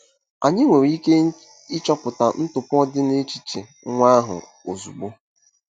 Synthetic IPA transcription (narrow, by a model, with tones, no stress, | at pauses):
a̰˨ɲɪ˦ŋʷe˨ɾi˦ke˦ | ɪ˦t͡ʃɔ˦pʊ˨ta˨n̩˦tʊ˨pɔ˦dɪ˦ne˦t͡ʃi˦t͡ʃḛ˨˦ | ŋʷa˦ɦʊ̰˨ | o˨zu˨ɡ͡bo˦